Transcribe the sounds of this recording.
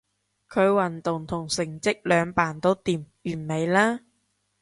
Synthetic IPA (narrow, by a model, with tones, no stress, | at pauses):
kʰɵ˨˧ɥwɐ˨˩nt̪ʊ˨˩ŋt̪ʰʊ˨˩ŋsɪ˨˩ŋt͡sɪ˥k̚lœː˨˧ŋpaː˨˩nt̪o˥wt̪iː˨mjyː˨˩nme˨˧jlaː˥